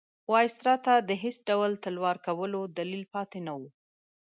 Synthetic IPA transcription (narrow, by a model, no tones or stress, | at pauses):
wɑjst̪ɾɑt̪ad̪əɦesɖawlt̪əlwɑɾkawəlod̪alilpɑt̪enawu